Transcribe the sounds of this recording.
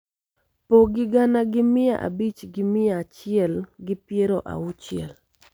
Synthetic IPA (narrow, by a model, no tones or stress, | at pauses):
poɡɪɡanaɡɪmɪja̰ʔa̰bit͡ʃɡɪmɪjaːt͡ʃɪɛlɡɪpjeɾoʔa̰ʊt͡ʃɪɛ̰l